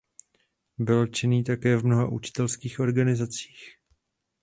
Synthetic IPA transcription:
bɪlt͡ʃɪniːt̪akɛːvmno̞ɦaʔut͡ʃɪ̥t̪ɛlskiːxʔo̞ɾɡanɪzat͡si̥ːx

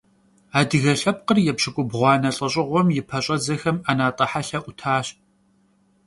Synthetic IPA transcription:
aːdɨɣɐɬɐp̚qərjɛpɕɪkʷʼʊbʁʷɑːnɐɬʼɐɕʼɪʁʷɔmjɪpʰɐɕʼɐd͡zɐxɐmanaːtʼɐħaɬɐʔʷʊtʰaːɕ

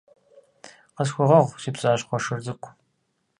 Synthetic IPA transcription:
qəsxʷʊʁɐʁʷsiːpɕʼaːɕʼχʷɔʂɨrzɨkʷʰʼ

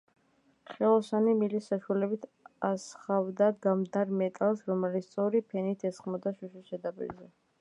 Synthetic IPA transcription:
χɛlˠɔsanimilisːaʃwalɛbit̪ʰasχavd̪aɡamd̪aɾmɛt̪ʼalˠsɾɔmɛlit̪sʰt̪sʼɔɾipʰɛnit̪ʰɛsχmɔd̪aʃuʃisɛd̪apʼḭɾzɛ

